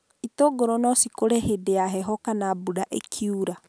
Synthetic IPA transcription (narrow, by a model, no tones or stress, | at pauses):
itoɡoɾɔnɔsikoɾɛhedeaɦɛɦɔkanabudaʔekʰiuɾa